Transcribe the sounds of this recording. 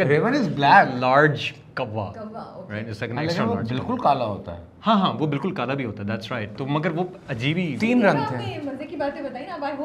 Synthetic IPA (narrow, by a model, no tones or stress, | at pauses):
kɾɪʋənɪzblɛːlaːɾd͡ʒ | kɐʋːa̰ɾaɪɪsɛkə̃ɳɛksɾãmoaːɾbɪlkʊlkaːlaɦo̰ːt̪a̰ɦɛ̰ | hãːɦãːʋobɪlkʊlkaːlabʱiɦoːt̪aɦɛd̪æʈsɾaɪʈ̚t̪omɐɡəɾʋo | ɐd͡ʒiːbit̪iːnɾɐ̃ŋɡt̪ʰemɐɾzikibaːt̪ẽbɐt̪aːĩaba